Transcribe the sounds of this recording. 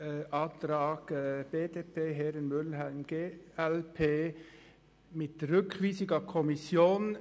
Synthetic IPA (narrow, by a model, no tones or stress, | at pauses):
ʔɑt̪ɾɑːɡ̥əb̥eːdeːpʰeːɦɛɾənmʏlhæɪnɡ̥eːɛlpʰeː | mɪtɾʏkʰv̥iːsɪɡɐkʰɔmɪsjoːn